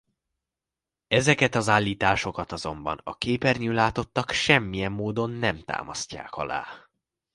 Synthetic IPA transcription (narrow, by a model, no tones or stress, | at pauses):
ɛzɛkɛt̪ɒzaːlːiːt̪aːʃo̞kɒt̪ɒzo̞mbɒ̰nɒ̰keːpɛrɲyːlaːt̪o̞t̪ːɒkʃɛmːijɛmːoːd̪o̞nːɛmt̪a̰ːmɒsca̰ːkɒ̰la̰ː